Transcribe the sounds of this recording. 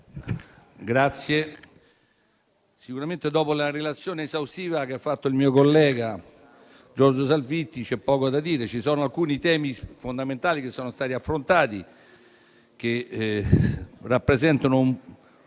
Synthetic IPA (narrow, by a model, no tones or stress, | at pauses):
ɡɾat̪sːje | sikuɾament̪ed̪ɔːpolarelat̪sːjoːneːzawst̪iːvakeafːat̪ːoilmiːokolːɛːɡa | d͡ʒɔrd͡ʒos̬alvit̪ːit͡ʃɛpːɔːkod̪ad̪iːɾet͡ʃisɔːnoalkuːnit̪ɛːmifond̪ament̪aːlikesːɔːnost̪aːt̪iafːɾont̪aːt̪ḭ | k̟e | rːapːɾezɛnt̪anom